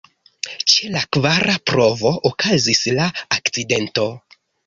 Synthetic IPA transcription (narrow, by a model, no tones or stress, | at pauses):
t͡ʃelakvaɾʔapɾo̞vo̞ʔokʰazislaakt͡side̞nto̞